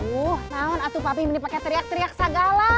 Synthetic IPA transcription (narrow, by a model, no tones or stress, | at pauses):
uhnaʊnat̪upabɪŋmənipakɛt̪əɾiak̚t̪əɾiak̚saɡala